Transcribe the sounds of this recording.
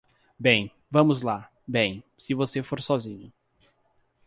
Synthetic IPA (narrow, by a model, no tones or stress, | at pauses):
bẽj̃ | vɐ̃mʊzla | bẽj̃sɪvosefoɾsɔzĩɲʊ